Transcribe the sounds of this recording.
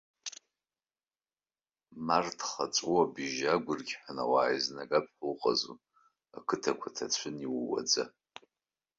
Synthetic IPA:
martʰχat͡sʷʼuabiʒaɡʷʊrɡʲħʷᶣana̰waːiznaɡapʰʼħʷowqʼazu | akʰɨtʰakʷʰatʰat͡ɕʷʰɨniwwa̰d͡za

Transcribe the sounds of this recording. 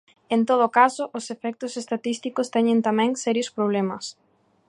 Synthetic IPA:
ent̪oðokasʊʔosefɛk̚t̪ʊsest̪at̪ist̪ikʊst̪ɛɲẽnt̪amɛ̃ŋsɛɾjospɾoβ̞lɛmɐs

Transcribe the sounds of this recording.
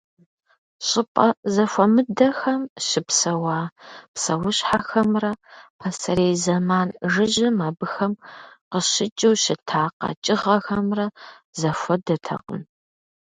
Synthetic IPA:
ɕʼɪpʼɐzɐfʷɔmɨdɐxɐmʃɪpsɐwaːpsɐwʊɕħaxɐmrɐpʰɐsɐɾeːzɐmaːnʐɨʑɐmaːbɨxɐmqəɕɪt͡ʃʼɨwɕɪtʰaːqɐ̰t͡ʃʼɪʁɐxɐmrɐ | zɐfʷɔdɐtʰɐ̰qəm

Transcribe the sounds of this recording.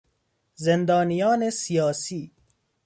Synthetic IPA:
zend̪ɒːnijɒːnesijɒːsiː

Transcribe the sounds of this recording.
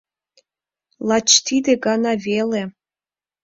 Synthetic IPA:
lɑt͡ɕt̪id̪eɡɑnɑvele

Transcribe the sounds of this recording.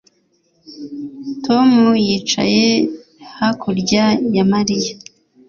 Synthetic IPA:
tʰo̞mujiːt͡ʃa̰jehakʰuɾɟajamaɾija

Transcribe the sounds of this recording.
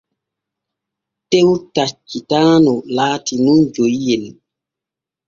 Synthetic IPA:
tewtat͡ʃːitaːnɔlaːtinund͡ʒojjɛl

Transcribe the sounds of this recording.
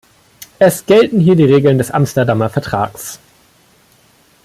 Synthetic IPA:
ʔɛsɡ̥ɛltn̩ɦiːɐdiːʁeːɡl̩ndɛsʔa̰mstɐdamɐfɛɐtʁ̥a̰ːks

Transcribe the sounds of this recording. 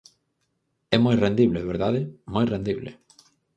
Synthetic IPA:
ɛmojrẽnd̪iβleβeɾðaðɪmojrẽnd̪iβlḛ

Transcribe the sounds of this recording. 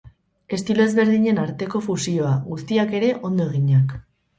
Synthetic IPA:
e̞st̪iloe̞zβe̞ɾð̞iɲe̞naɾt̪e̞ko̞fusio̞aɣust̪iake̞ɾe̞ʔo̞nd̪o̞eɣiɲak

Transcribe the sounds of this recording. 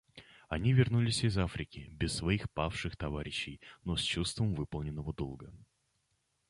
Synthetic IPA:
ɐnʲivʲɪrnulʲɪsʲɪzafɾʲɪkʲɪbʲɪsːvɐixpafʂɨxt̪ɐvaɾʲɪɕːɪjnosʲt͡ɕust̪vəmvɨpəlˠnʲɪnːəvəd̪olˠɡə

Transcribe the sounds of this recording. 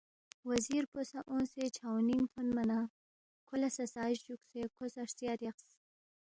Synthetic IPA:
waziɾposaʔõnset͡ʃʰawninpʰʊnmana | kʰʊlasasɑːʃd͡ʒuksekʰosaʂsiaɾeqs

